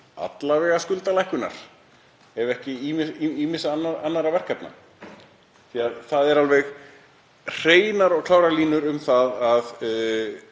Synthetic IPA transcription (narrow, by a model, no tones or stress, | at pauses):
a̰t̪lavɛːɣaskʏlt̪alajhkʏna̰ɾ̥ | hɛvɛhcɪimɪiiːmɪsanːaanːaɾavɛr̥kapna̰ | θiaðθaðɛɾalvɛɣ | r̥eːjnaɾɔɣkʰlaːwɾaɾliːnʏɾʏmθaðað